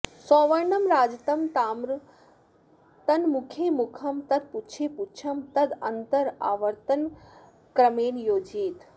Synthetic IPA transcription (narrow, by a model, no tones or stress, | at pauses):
sɔːʋɐɾɳɐmɾaːd͡ʒɐt̪ɐmt̪aːmɾ | t̪ɐnmukʰjemukʰɐmt̪ɐd̪̚putːt͡ʃʰeput͡ʃʰɐmt̪ɐd̪ɐnt̪ɐɾa̰ːʋɐɾt̪ɐn | kɾɐmeːnjoːd͡ʒiːt̪